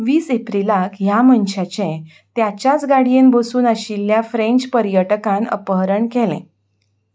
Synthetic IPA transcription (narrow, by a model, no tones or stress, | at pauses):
ʋiːsepɾilakɦjamənɕat͡ɕẽ | t̪jat͡ɕjat͡sɡaɽijenbosuːnəɕilːjafɾẽɲt͡ɕpəɾjəʈəkãnə̰pəɦɾəɳkɛlḛ̃